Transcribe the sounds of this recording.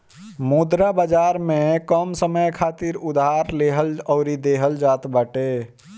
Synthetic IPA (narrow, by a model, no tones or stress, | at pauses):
mud̪ɾabəd͡ʒaɾmekəmsəməjkʰat̪iɾud̪ɦaɾleɦəlɔʊɾid̪eɦəld͡ʒat̪bəʈe